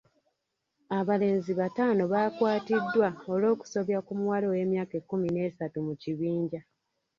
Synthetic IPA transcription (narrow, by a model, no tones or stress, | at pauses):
aβale̞ːnziβataːno̞βaːkwaːtidːwao̞lo̞ːku̥so̞βjakumuwalo̞we̞ːmjaːkekːumine̞ːsatumuciβiːɲɟa